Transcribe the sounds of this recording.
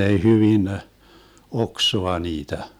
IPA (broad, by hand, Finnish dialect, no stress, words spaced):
ei hyʋin oksoɑ niːtæ